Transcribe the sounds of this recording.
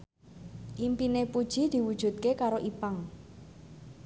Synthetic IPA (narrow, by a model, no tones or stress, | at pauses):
ʔimpinepud̥ʒ̥i̤d̪̥i̤wud̥ʒ̥ṳt̪̚kekaɾoʔipaŋ